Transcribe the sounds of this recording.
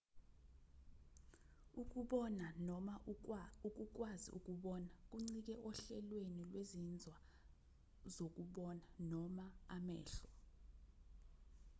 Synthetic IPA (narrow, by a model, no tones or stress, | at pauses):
uk̬uɓɔnanauk̬uk̬wazḭʔuk̬uɓɔnak̬uŋ͡ǀik̬ɛʔɔɬɛlwenilwezind͡zʱwa | zok̬ʼuɓɔnanɔmaamɛ̰ːɬɔ